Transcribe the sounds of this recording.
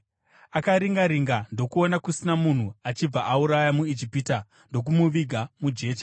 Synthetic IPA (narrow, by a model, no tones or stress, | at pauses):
akaɾiŋɡaɾiŋɡando̞kuo̞nakusinamun̤uat͡ʃib͡vaʔauɾajamuid͡ʒipiːta | ndo̞k̬umuʋiɡʱamud͡ʒe̞ːt͡ʃa